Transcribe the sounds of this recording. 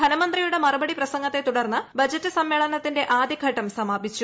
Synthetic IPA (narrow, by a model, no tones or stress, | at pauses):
d̪ʱɐnɐmɐnd̪rijuɽe̞mɐrɐbɐɽiprɐsɐŋɡɐt̪ːe̞t̪uɽɐrnːɨbɐd͡ʑɐtːɨsɐmːeːɭɐnɐt̪ːinde̞ʔaːd̪ʱikːɐʈːɐmsɐmaːbʱit͡ɕːu